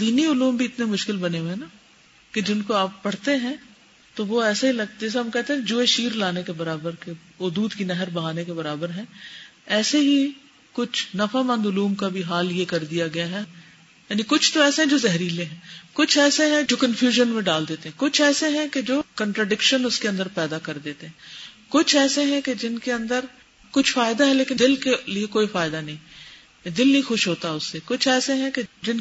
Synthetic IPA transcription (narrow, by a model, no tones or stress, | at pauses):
d̪iːniʊluːmbʱiɪt̪nemʊʃkɪlbɐneɦẽna | ked͡ʒɪnkoaːpːɐɽ̤t̪eɦɛ̃ | t̪oʋoɛːseɦilɐɡ̚t̪ɛːs̬eɦɐmkɛɦt̪ẽɦɛ̃ked͡ʒoːeʃiːɾlaːnekebɐɾaːbəɾke | ʊd̪uːd̪kinɛɦəɾbɐɦaːnekebɐɾaːbəɾɦɛ̃ɛːseɦi | kʊt͡ʃʰnɐfamɐ̃nd̪ʊluːmkabʱiɦaːljekɐɾd̪ijaɡɐjaɦɛ | jaːnikʊt͡ʃʰt̪oɛːseɦɛ̃d͡ʒoːzɛɦɾilẽɦɛ̃kʊt͡ʃʰɛːseɦɛ̃d͡ʒoːkənfjuːʒənmẽɖaːld̪eːt̪ẽɦɛ̃kʊt͡ʃʰɛːseɦɛ̃ked͡ʒoːkə̃ɳʈɾaɖɪkʃənʊskeɐ̃nd̪əɾpɛːd̪akɐɾd̪eːt̪eɦɛ̃ː | kʊt͡ʃʰɛːseɦɛ̃ked͡ʒɪnkeɐ̃nd̪əɾ | kʊt͡ʃʰfaːɪd̪aɦɛleːkɪnd̪ɪlkeliekoːifaːɪd̪anɐɦĩː | d̪ɪlnɐɦĩxʊʃɦoːt̪aɦɛʊsːekʊt͡ʃʰɛːseɦɛ̃ked͡ʒɪn